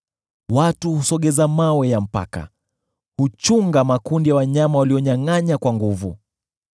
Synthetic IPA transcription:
watuhusɔɠɛzamawɛjam̩pa̰ka̰ | hut͡ʃuŋɡamakundijawaɲamawaliɔɲaŋaɲakwaŋɡuvu

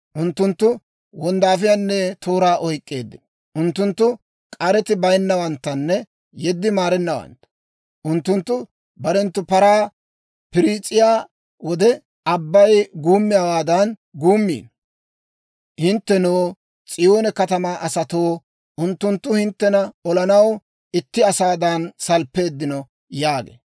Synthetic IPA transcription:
ʔʊnt̪ːʊnt̪ːʊ | wɔnd̪aːf̬ɪjaːnːɛt̪ʰoːɾaːʔɔjkʼːe̞ːd̪ːɪ | ʔʊnt̪ːʊnt̪ːʊ | kʼɐɾɛt̪ɪbɐjnːɐwɐnt̪ːɐnːɛ | jɛd̪ːɪmaːɾɛnːɐwɐ̰nt̪ɐ̥ | ʔʊnt̪ːʊnt̪ːʊ | bɐɾɛnt̪ːʊpɐɾaː | pɪɾiːt͡sʼːɪjaː | wɔd̪ɛ | ɐbːɐjɡuːmːɪjaːwaːd̪ɐn | ɡuːmːḭːn | hɪnt̪ːɛnoː | t͡sʼɪjoːnɛkɐt̪ɐmaːʔɐsɐt̪oː | ʔʊnt̪ːʊnt̪ːʊhɪnt̪ːɛnɐɔlɐnɐw | ɪt̪ːɪɐsaːd̪ɐnsɐlpːe̞ːd̪ːɪnɔ | jaːɡḛː

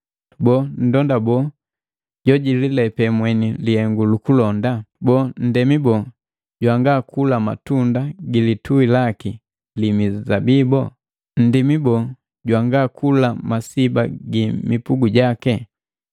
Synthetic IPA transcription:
bɔn̩dɔndabɔ | ɟɔɟililɛpɛmwɛnilihɛŋɡulukulɔndabɔːn̩dɛmibɔ | ɟwaŋɡakulama̰tundaɡilituilaki | limizabibɔ | n̩dimibɔ | ɟwaŋɡakʰulamasibaɡimipuɡuɟakɛ

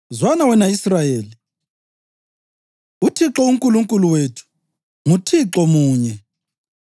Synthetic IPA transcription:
zwanawɛnaisrajeːli | utʰiǁɔuŋkʼuluŋkʼuluweːtʰu̥ | mutʰiǁɔmuːɲɛ

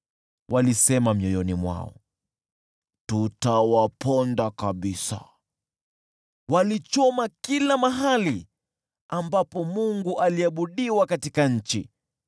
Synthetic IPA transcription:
wʔalisɛmamiɔjɔnimwa̰ɔ̰ | tutawapɔndakaɓisa̰ | walit͡ʃɔmakilamaɦali | ambapɔmuŋɡuʔaliaɓuɗiwakatikaɲ̩t͡ʃḭ

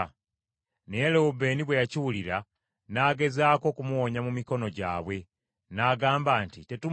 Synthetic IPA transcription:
nejelewube̞ːniβwe̞jaciwuliɾa | naːɡe̞zaːko̞ːkumuwoɲamumiko̞no̞ɟa̰ːβwe̞ | naːɡaːmbaːntite̞tu

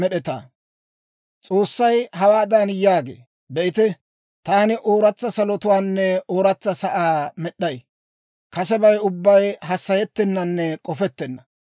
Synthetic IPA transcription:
mɛɗɛt̪a̰ː | t͡sʼo̞ːsːɐjhɐwaːd̪anjaːɡḛː | bɛɪt̪ɛ | t̪aːnɪʔo̞ːɾɐt͡sːɐsɐlɔt̪ʊwaːnːɛʔoːɾɐt͡sːɐsɐʔaːmɛɗːɐj | kɐsɛbɐjʊbːɐjɦɐsːɐjɛt̪ːɛnːɐnːɛkʼɔfɛt̪ːɛnːɐ

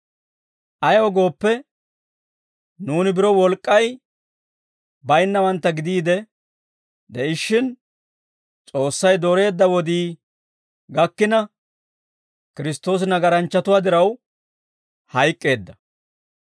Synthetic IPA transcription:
ʔɐjɔɡo̞ːpːɛ | nuːnɪbɪɾɔwɔlkʼːɐj | bɐjnːɐwɐnt̪ːɐɡɪd̪iːd̪ɛ | d̪ɛɪʃːɪn | t͡sʼo̞ːsːɐjd̪oɾe̞ːd̪ːɐwɔd̪iː | ɡɐkːɪnɐ | kɪɾɪst̪o̞ːs̬ɪnɐɡɐɾɐnt͡ʃːɐt̪ʊwaːd̪ɪɾɐw | hɐjkʼːe̞ːd̪ːɐ

